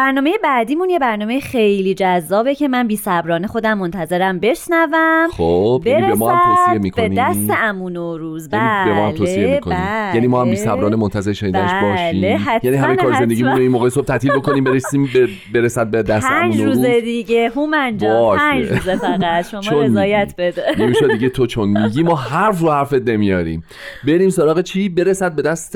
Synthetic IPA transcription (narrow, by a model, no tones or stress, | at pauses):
b̥æɾnɒːmejebæːd̪iːmunje̞bæɾnɒːmejexejliːd͡ʒæzːɒːbecʰe̞mænbiːsæbɾɒːnexo̞d̪æmːont̪ʰæze̞ɾæmbe̞ʃnævæmxob̥beiɾeesɔːhaæoːsiemiːkʰbenid̪æst̪eæmunoɾuːzbæænibemɔːhælt̪ʰoːesiemikʰobnæimjæniːmɒːhæmbiːsæbɾɒːnemont̪ʰæze̞ɾeʃenid̪bænebɒːʃiːhæjæniɦæmejkʰɒːɾzzend̪eɟimunoinmoːɣesob̚t̪ʰæt̪ʰiːlbo̞ko̞niːmbe̞ɾesiːmbe | beɾesæd̪̚bed̪æst̪ænd͡ʒnoɾuːuzed̪iɟeɦumænd͡ʒbɒːʃæzefɣæt̪ʃomt͡ʃɔonenːjæt̪bed̪enemiːʃodd̪iːɟet̪ʰot͡ʃʰonmiɟimɒːɦæɾfrohæɾfet̪̚ne̞mijɒːɾḭːm | be̞ɾiːmsoɾɒːɣet͡ʃʰiːbe̞ɾesæd̪̚bed̪æst̪